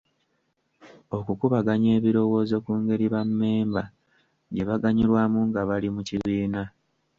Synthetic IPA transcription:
o̞kukuβaɡaɲe̞ːβiɾo̞wo̞ːzo̞kuːŋɡe̞ɾiβamːe̞ːmba | ɟe̞βaɡaɲiɾwaːmuŋɡaβalimuciβiːna

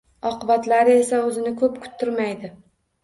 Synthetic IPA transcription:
ɒqʊbat̪laɾɪe̞saɵzɪnɪkʰɵpkʰʊ̥t̪ʰːɪɾmajd̪ɪ

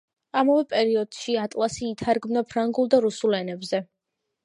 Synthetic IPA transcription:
amavɛpʼɛɾiɔd̪̥ʃiat̪ʼlˠasiːt̪ʰaɾɡmnapʰɾaŋɡulˠd̪aɾusulˠɛnɛbzɛ

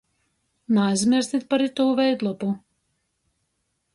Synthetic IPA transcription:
najzmiɾst̪ʲit̪̚paɾit̪uːvɛjd̪lˠɔpu

